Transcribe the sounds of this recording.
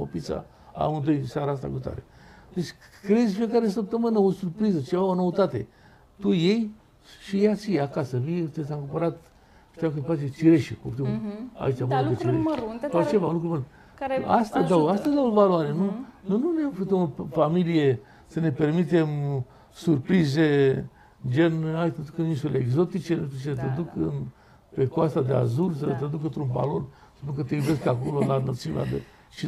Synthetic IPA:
o̰pisa̰ | a̰mɨnd̪ojsaɾaas̬t̪a̰kut̪a̰ɾḛ | d̪et͡ʃʲkɾezʲfijekaɾes̬əp̚t̪əmɨnəonsurpɾizət͡ʃevaonoət̪at̪ḛ | t̪uje̞j | ʃijat͡ʃiakasəviet̪esaŋkumpəɾat̪ | pt̪akɨnfat͡ʃet͡ʃiɾeʃḭkopt̪uma̰it͡ʃavoet͡ʃiɾeʃsawt͡ʃevaunlukɾumul | ast̪ad̪awast̪azd̪awvaloaɾenunojnunefut̪əmofamilije | səne̞pe̞rmit̪e̞m | surpɾize | d͡ʒenat̪ed̪ukəɨninsuleeɡzo̞t̪it͡ʃenut̪ut͡ʃet̪ed̪ukɨn | pekwast̪ad̪ea̰zuls̬ət̪ɾad̪uk̬ənt̪ɾunba̰lo̞nsə̥spunkət̪ejube̞skako̞lolanət̪suna̰d̪ḛ | ʃi

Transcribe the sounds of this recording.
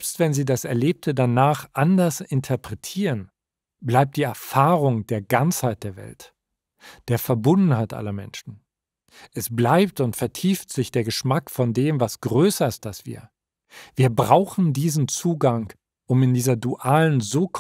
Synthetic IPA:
pstv̥ɛnziːdasɛɐleːp̚tʰədanaːχʔandɐsɪntʰəpʁ̥ɛtʰiːʁən | blaɪp̚td̥iːɛɐfaːʁʊŋd̥eːɐɡant͡shaɪt̚d̥eːɐvɛ̰lt | d̥eːɐfɛɐbʊndn̩haɪtʔa̰lɐmɛ̰nʃn̩ | ʔɛsb̥laɪp̚tʊntfɛɐtʰiːftz̥ɪçd̥eːɐɡəʃmakfɔndeːmvasɡ̥ʁøːsɐɪstalsv̥ḭːɐ | viːɐbʁaʊxn̩diːzn̩t͡suːɡaŋ | ʔʊmɪndiːzɐduʔaːlənzoːkʰ

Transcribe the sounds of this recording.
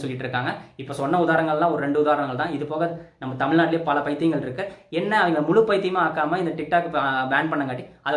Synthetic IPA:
sɔlːɪʈːɪɾɯkːaːŋɡɐɪpːoːsɔnːɐʊðaːɾɐŋɡɐɭɛlːãːɔɾɯɾɛɳɖɯʊðaːɾɐɳɐŋɡɐɭt̪ãːɪðɯpoːɣɐnɐmːɐt̪ɐmɪɻnaːʈːɪljɐpɐlɐpɐɪt̪ːɪjŋɡɐɭɪɾɯkːɯɛnːɐɐðɐŋɡɐlɐmʊɻʊpːɐjt̪ːɪjmaaːkːaːmɐɪnd̪ɐʈɪk̚ʈaːkːɯbaːnpɐɳːɐŋkaːʈːiɐð

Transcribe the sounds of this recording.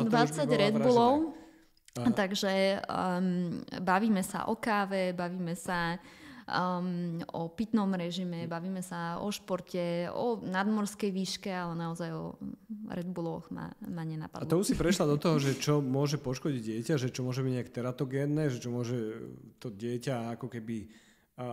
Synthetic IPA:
d̪ʋat͡sːaɟɾɛd̪bulɔʊ | t̪aɡʒɛ | baʋiːmɛsa̰ʔɔkaːʋɛbaʋiːmɛsa | ɔpit̪nɔmɾɛʒimɛbaʋiːmɛsaɔ̰ʃpɔɾcɛɔ̰nad̪mɔɾskɛjʋiːʃkɛalɛnaɔzajɔ̰ɾɛd̪bulɔxma̰maɲɛna̰pad̪alɔusipɾɛʃlad̪ɔt̪ɔɦɔʒɛt͡ʃɔmʊɔʒɛpɔʃkɔɟiɟɪɛcaʒɛt͡ʃɔmʊɔʒɛbiɟɲɛakɛ̥t̪ɛɾat̪ɔɡɛːnːɛʒɛt͡ʃɔmʊɔʒɛt̪ɔɟɪɛcaakɔkɛbi

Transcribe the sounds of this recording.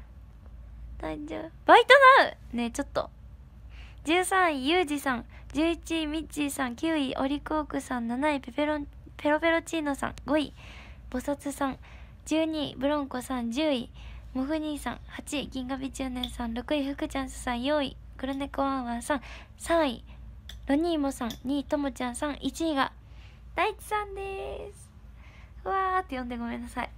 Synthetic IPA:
d̪ad͡ʑob̥ait̪onaɯ̟ne̞t͡ɕo̞t̪ːo̞̰ | d͡ʑɨːsãɰ̃ijɯːd͡ʑisãŋ | d͡ʑɨːit͡ɕimʲit͡ɕisãŋkʲɨːiʔo̞̰ɾʲikoːkɯ̟sãnnanaipepeɾo | pe̞ɾo̞be̞ɾo̞t͡ɕiːno̞sã̰ŋɡo̞ḭ | b̥o̞sat͡sɨsãŋ | d͡ʑɨːɲ̟ibɯ̟ɾõ̞ŋko̞sãnd͡ʑɨːimoɸɯ̟ɲ̟iːsã̰ŋhat͡ɕiɡʲĩŋɡabʲid͡ʑɨːnẽ̞ɰ̃sãnɾo̞kɯ̟iɸɯ̟kɯ̟t͡ɕãɰ̃sɨ̥sãɰ̃joḭ | kɯ̟ɾanekɯβãβãsãŋ̃ | sãɰ̃ḭɾo̞ɲ̟iːmo̞sãŋɲ̟iːt̪o̞mot͡ɕãɰ̃sãɰʔit͡ɕiɲiɡa̰ | d̪̥ait͡ɕi̥sãnd̪esɨ̥ | ɯβaːt̪ːejõ̞nd̪e̞ɡo̞mẽ̞nːasai

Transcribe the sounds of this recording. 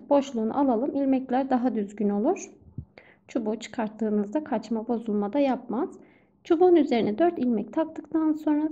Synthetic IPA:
bo̞ʃlˠuːnṵʔalˠalˠɯmilʲmɛclʲæɾd̪aɦad̪yzɟyno̞lˠuɾ̥ | t͡ʃʰubut͡ʃʰɯ̥kʰaɾt̪ʰːɯːnɯzd̪akʰat͡ʃmabo̞zulˠmad̪ajap̚maz̥ | t͡ʃʰubuːnyze̞ɾinɛd̪øɾt̪ilʲmɛct̪ʰak̚t̪ɯk̚t̪ʰanso̞nɾa

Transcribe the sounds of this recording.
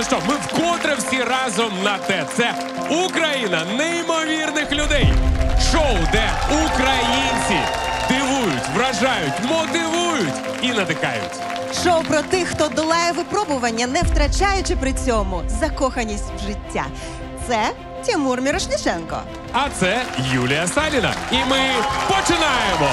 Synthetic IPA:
ɛʃt͡ʃɔmɪwkɔt̪ɾewsʲiɾɑzɔmnɐt̪ɛt̪sɛ | ukɾɐjinɐnɛimɔʋʲirnɪxlʲʊd̪ɛjʃɔwd̪ɛukɾɐjinʲt͡sʲḭd̪ɪʋujʊtʲʋɾɐʒɑjʊtʲmɔt̪ɪʋujʊtʲ | inɐt̪ɪkɑ̰jʊ̰tʲ | ʃɔwpɾɔt̪ɪxxt̪ɔd̪ɔlˠɑjɛʋɪpɾɔbʊʋɐnʲːɐnɛwt̪ɾɐt͡ʃajʊt͡ʃɪpɾɪt͡sʲɔmʊzɐkɔxɐnʲisʲtʲwʒɪtʲːa̰ | t̪sɛ | tʲɐmurmʲiɾɔʃlʲit͡ʃɛnkɔ̰ | ɐt̪sɛjulʲijɐsɑlʲinɐ̰imɪpɔt͡ʃɪnɑjemɔ

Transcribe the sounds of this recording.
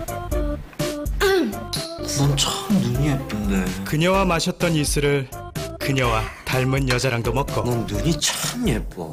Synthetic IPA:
nʌnt͡ɕʰʌmnuɲiɦep͈ɯndekɯɲʌwamaɕʰʌt̚t͈ʌnisʰɯɾɯɭkɯɲʌwataɭmɯnjʌd͡ʑaɾaŋdomʌk̚k͈ʌʌnnuɲit͡ɕʰʌmep͈ʌ̰

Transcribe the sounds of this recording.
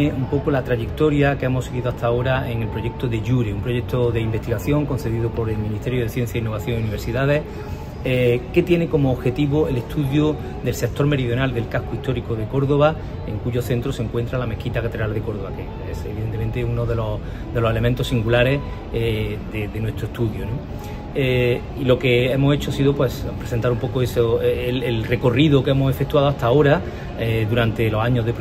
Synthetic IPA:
eumpo̞kolat̪ɾaʝe̞kt̪o̞ɾjakemo̞seɣiðoaht̪ao̞ɾae̞ŋe̞lpɾo̞ʝe̞k̚t̪oðe̞ʝuɾeumpɾoʝe̞k̚t̪oðe̞imbe̞st̪iɣaθjo̞ŋko̞nθe̞ðiðopo̞ɾe̞lmĩnist̪e̞ɾjoð̞e̞θje̞n̟θjainːoaθjo̞ŋiuniβɾsiðaðe̞h | eke̞t̪je̞ne̞ko̞moːβxe̞t̪iβoele̞st̪uðjo | d̪e̞lsek̚t̪o̞ɾme̞ɾiðjonald̪e̞lkahkoiht̪o̞ɾikoðe̞ko̞ɾðo̞βa | eŋkuʝo̞θe̞nt̪ɾoseŋkwe̞nt̪ɾalame̞hkit̪akat̪eɾald̪e̞ko̞ɾðoβake | eseβiðent̪e̞ment̪eunoðe̞lo | d̪e̞lo̞se̞le̞mẽnt̪o̞siŋɡulaɾe̞ | ed̪eðenwe̞st̪ɾoeht̪uðjono | e | ilo̞ke̞emoset͡ʃoasiðopwe̞spɾe̞sent̪aɾumpo̞koesoelelre̞ko̞riðokemose̞fe̞k̚t̪waðoaht̪ao̞ɾa | eðuɾant̪e̞lo̞saɲoɦðep

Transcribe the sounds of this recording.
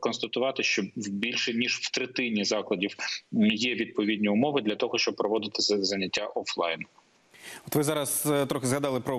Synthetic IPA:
kɔnst̪ɐt̪ʊʋɑt̪ɪʃt͡ʃɔwbʲilʲʃɛnʲiʒwt̪ɾɪt̪ɪnʲizɑklˠɐdʲiwjɛʋʲid̪̚pɔʋʲidʲnʲiʊmɔʋɪd̪lʲɐt̪ɔɦɔʃt͡ʃɔb̚pɾɔʋɔd̪ɪt̪ɪ̥zɐnʲːɐtʲːaʔɔflˠɑ̰jn | ɔt̪ʋɪzɑɾɐst̪ɾɔxɪzɦɐd̪ɑlˠɪpɾɔ

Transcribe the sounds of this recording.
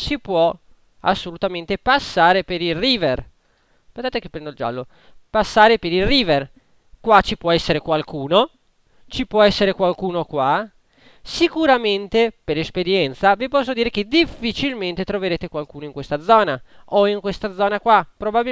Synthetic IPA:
sipwɔ | a̰sːolut̪ament̪epasːaːɾepeɾilriːver | pensaːt̪ekepːɾɛnd̪oild͡ʒa̰lːo | pasːaːɾepeɾilriːver | kwat͡ʃipwɔɛsːeɾekwalkuːno | t͡ʃipwɔɛsːeɾekwalkuːnokwa | sikuɾament̪epeɾespeɾjɛnt̪savipɔs̬ːod̪iːɾek̟ed̪ifːit͡ʃilment̪et̪ɾoveɾeːt̪ekwalkuːnoiŋkwest̪ad̪zɔːnaoiŋkwest̪ad̪zɔːnakwapɾobabi

